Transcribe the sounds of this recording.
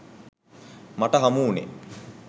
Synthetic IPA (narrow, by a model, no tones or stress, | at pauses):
maʈəɦamuːnḛ